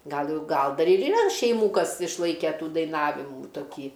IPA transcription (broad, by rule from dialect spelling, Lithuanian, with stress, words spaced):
ˈɡɐlˠ ˈjɛʊ ˈɡɐlˠ ˈdɐr ɪr iːˈrɐ ʃʲɛɪˈmuː ˈkɐs ɪʃˈlˠɐɪkʲɛ ˈtuː dɐɪˈnɑːʋʲɪmuː toːˈkʲiː